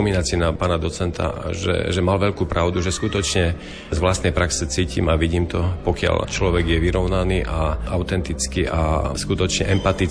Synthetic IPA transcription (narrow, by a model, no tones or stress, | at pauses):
minat͡sinapaːnad̪ɔt͡sɛnt̪ʰa̰ʒɛ̰ʒɛmalʋɛʎkuːpɾaʊd̪uʒɛskut̪ɔt͡ʃɲɛ | zʋlast̪nɛjpɾaksɛt͡siːcḭmaʋiɟiːmt̪ɔpɔkɪa̰lt͡ʃlɔʋɛɡjɛʋiɾɔʊnaniːʔaʔaʊt̪ɛnt̪it͡skiʔaskut̪ɔt͡ʃɲɛʔɛmpat̪i